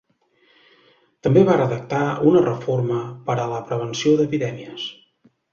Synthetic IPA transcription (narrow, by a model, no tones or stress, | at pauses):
t̪əmbeβarəðək̚t̪aunərəforməpəɾələpɾəβ̞ənsioðəpiðɛmiəs